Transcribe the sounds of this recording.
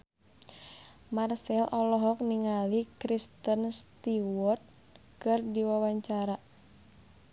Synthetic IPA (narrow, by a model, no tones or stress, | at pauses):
marsɛlʔɔlɔɦɔk̚niŋalikɾist̪ənst̪iwɔrt̪̚ | kɨrdiwawaɲt͡ʃaɾa